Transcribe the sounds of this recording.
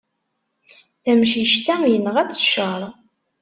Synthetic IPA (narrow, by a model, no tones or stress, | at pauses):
θæmʃiʃt̪æjənəʁæt͡sːə̥ʃəɾˤ